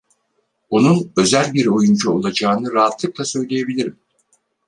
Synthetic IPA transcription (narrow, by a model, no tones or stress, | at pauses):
onunø̞zælʲbiɾo̞jund͡ʒuolˠad͡ʒaːnɯɾaɦat̪lˠɯklˠasø̞jlʲeje̞bilʲiɾim